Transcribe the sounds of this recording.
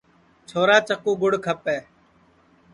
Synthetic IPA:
t͡ʃʰoːɾaːt͡ʃəkuːɡʊɽkʰəpeː

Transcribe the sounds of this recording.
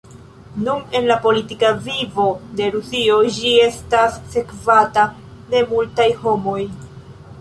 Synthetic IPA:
nune̞nlapo̞litikavivo̞de̞ɾusio̞d͡ʒie̞stasːe̞kvata | de̞multajho̞mo̞j

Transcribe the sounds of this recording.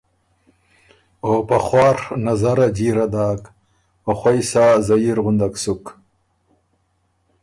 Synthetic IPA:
oːpaχwɑːɾnazaɾad͡ʑiɾad̪aːk | oxwajsazaiɾɣʊnd̪aksuk

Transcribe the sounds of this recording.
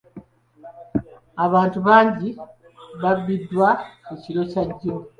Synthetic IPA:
aβaːntuβaːɲɟi | βaβidːwakuciɾo̞caɟːo

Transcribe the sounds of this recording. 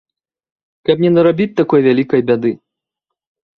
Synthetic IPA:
kɐpnʲɛnɐɾabʲit͡sʲt̪akɔjvʲalʲikɐjbʲad̪ɨ

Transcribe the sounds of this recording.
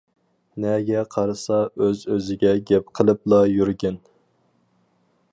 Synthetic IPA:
nɛɡʲɛqʰɑɾɨsɑøzøzɪɡʲɛɡʲɛp̚qʰəlˠɨplˠɑjyɾɡʲɛn

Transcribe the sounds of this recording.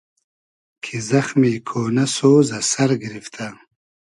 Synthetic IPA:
kʰizɐxmiːkʰoːnɐsoːzɐsɐɾɡiɾift̪ʰɐ

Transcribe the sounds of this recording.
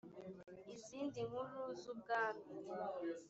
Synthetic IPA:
izindiŋuluzuɡaːnu

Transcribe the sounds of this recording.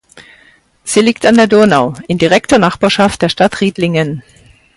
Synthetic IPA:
z̥iːliːk̚tandeːɐdʊɐnaʊʔɪmdiʁɛk̚toːɐnaχb̥aːɐʃaft̚d̥eːɐʃtatʁ̥iːtlɪŋən

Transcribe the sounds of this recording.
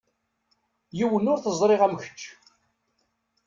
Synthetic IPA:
jiwənʊɾθəzˤɾˤɪʁæmçə̥t͡ʃː

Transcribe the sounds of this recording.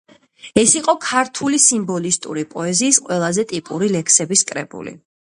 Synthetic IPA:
ɛsiqʼɔkʰaɾt̪ʰulisimbɔlist̪ʼṵɾipʼɔɛziːsqʼwɛlˠazɛt̪ʼipʼuɾilɛkʰsɛbiskʼɾɛ̰bṵlḭ

